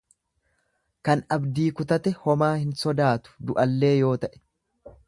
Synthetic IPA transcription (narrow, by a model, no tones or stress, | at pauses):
kɐnɐbd̪iːkʊt̪ɐt̪ɛhɔmaːhɪnsɔd̪aːt̪ʊ̥d̪ʊʔɐlːe̞ːjo̞ːt̪ɐʔɛ̥